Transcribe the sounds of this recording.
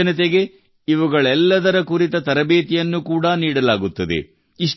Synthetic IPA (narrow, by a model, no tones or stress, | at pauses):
ɐnɐt̪̬eɡe̞ | iʋuɡɐɭɛlːɐd̪ɐɾɐkuɾit̪ɐt̪ɐɾɐbeːt̪ijɐnːukuːɽɐniːɽɐlaːɡut̪ːɐd̪ḛ | iʂ